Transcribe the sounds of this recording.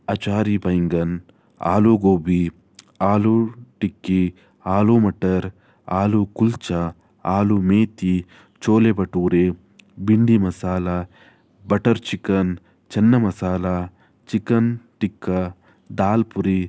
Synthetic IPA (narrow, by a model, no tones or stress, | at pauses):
ɐt͡ʃaːɾibɐjŋɡɐn | a̰ːluɡoːbi | aːluʈikːi | aːlumɐʈɐɾ | a̰ːlukult͡ʃɐ | aːlumeːt̪i | t͡ʃoːlebɐʈuːɾe | biɳɖimɐsaːlɐ | bɐʈɐɾt͡ʃikɐn | t͡ʃɛnːɐmɐsaːlɐ | t͡ʃikɐnʈikːɐ | d̪aːlpuɾi